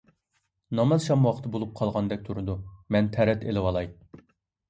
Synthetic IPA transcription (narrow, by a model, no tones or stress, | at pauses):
nɑmɑzʃɑmwɑqʰə̥t̪ʰɨbolˠup̚qʰɑlˠʁɑnd̪ɛk̚ʲt̪ʰuɾɨd̪umɛnt̪ʰɛɾɛt̪elɪwɑlˠɑj